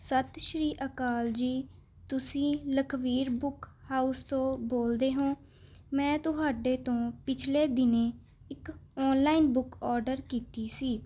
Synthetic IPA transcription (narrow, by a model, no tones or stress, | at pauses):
sət̪ʃɾiːʔəkaːld͡ʒiː | t̪ʊsĩːləkʰʋiːɾbʊkhaːust̪õːboːld̪eːɦõː | mɛ̃ːt̪ʊɦaːɖeːt̪õːpɪt͡ʃʰleːd̪ɪneː | ɪkɔːnlaːiːnbʊkɔːɾɖəɾkiːt̪iːsiː